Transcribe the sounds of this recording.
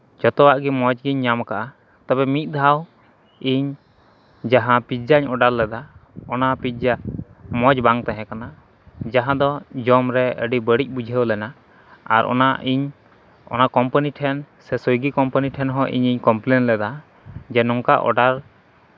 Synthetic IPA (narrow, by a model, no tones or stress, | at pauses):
d͡ʒɔt̪ɔwaʔɡimɔd͡ʒɡiɲːamkaʔa | t̪abɛmit̪̚ˀd̪ʱaw | iɲ | d͡ʒaɦãpid͡ʒaiɲɔɖaɾlɛd̪aɔnapit̪̚d͡ʒamɔd͡ʒbaŋt̪aɦɛ̃kana | d͡ʒaɦãd̪ɔd͡ʒɔmɾɛə̰ɖibəɽic̚ˀbud͡ʒʱəwlɛna | aɾʔɔ̰naiɲ | ɔ̰nakɔmpaniʈʰɛnsɛsojɡikɔmpaniʈʰɛnɦɔ̃ʔḭɲiɲkɔmplenlɛd̪a | d͡ʒɛnɔŋka̰ʔɔ̰ɖaɾ